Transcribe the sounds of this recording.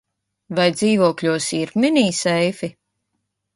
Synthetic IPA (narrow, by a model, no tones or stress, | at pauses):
vajd̪ziːvuɔkʎʲuɔsiːɾminiːsɛjfi